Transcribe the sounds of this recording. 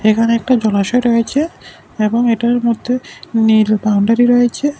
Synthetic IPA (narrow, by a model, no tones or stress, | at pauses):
ekʰaneɛk̚ʈad͡ʑɔlaʃɔeɾɔet͡ɕʰe | eboŋeʈaɾmod̪ʱːenilbawɳɖaɾiɾɔjet͡ɕʰe